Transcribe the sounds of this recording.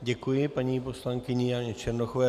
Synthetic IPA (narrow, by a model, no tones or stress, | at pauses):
ɟɛkujɪpaɲiːpo̞slaŋkɪɲɪjaɲɛt͡ʃɛɾnoxovɛː